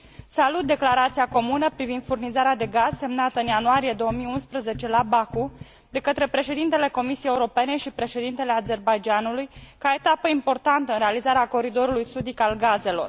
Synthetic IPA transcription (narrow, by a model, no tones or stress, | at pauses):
salut̪̚d̪e̞klaɾat̪siako̞munəpɾivind̪furnizaɾead̪e̞ɡaz̥se̞mnat̪əɨnjanuaɾije̞d̪o̞omijunspɾəze̞t͡ʃe̞labaku | d̪e̞kət̪ɾe̞pɾe̞ʃe̞d̪int̪e̞le̞ko̞misijejeuɾo̞pe̞ne̞ʃipɾe̞ʃe̞d̪int̪e̞le̞aze̞rbajd͡ʒanulujkae̞t̪apəimpo̞rt̪ant̪əɨnɾe̞alizaɾeako̞ɾid̪o̞ɾulujsud̪ikalɡaze̞lo̞̰r